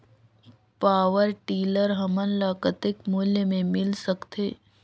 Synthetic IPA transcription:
paːʋəɾʈiːləɾɦɐmənlaːkət̪ɪkmʊljəmẽmɪlsəkt̪ʰeː

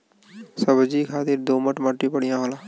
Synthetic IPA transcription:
səbd͡ʒikʰaːt̪ɪɾd̪oːməʈməʈːipəɽijãɦolaː

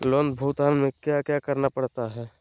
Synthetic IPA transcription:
lond̪bʱuːt̪aːnmẽkjakjakəɾnapəɽt̪aɦɛː

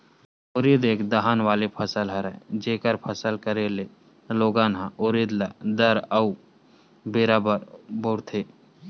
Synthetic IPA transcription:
ʊɾid̪eːkʰd̪əɦaːnʋaːlepʰəsəlɦəɾɛd͡ʒeːkəɾpʰəsəlkəɾele | loːɡãːnɦãʊɾiːd̪lad̪əɾəu | beːɾabəɾboːɽt̪ʰeː

